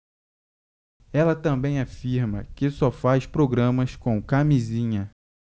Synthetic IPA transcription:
ɛlɐt̪ɐ̃mbẽj̃afiɾmɐ̰kɪsɔfajspɾoɡɾɐ̃mɐskõw̃kamizĩɲɐ

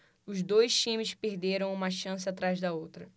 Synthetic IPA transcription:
ʊzd̪ojst͡ʃĩmɪʃpeɾd̪eɾɐ̃w̃ũmɐʃɐ̃sɪat̪ɾajzd̪ɐowt̪ɾɐ

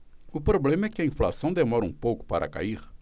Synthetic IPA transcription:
ʊpɾoblẽmɐɛkɪɐĩfla̰sɐ̃w̃d̪emɔɾɐũpowkʊ̥pa̰ɾʔɐ̰ka̰iɾ

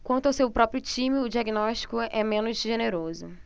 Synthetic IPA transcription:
kwɐ̃nt̪ʊawsewpɾɔpɾjʊt͡ʃĩmɪʊd͡ʒiaɡinɔʃt͡ʃi̥kʊɛmẽnʊzʒeneɾozʊ

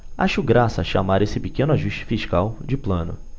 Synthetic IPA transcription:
a̰ʃʊɡɾasɐːʃamaɾesɪpɪkẽnʊaʒuʃt͡ʃɪ̥fiʃkawd͡ʒɪplɐ̃nʊ̰

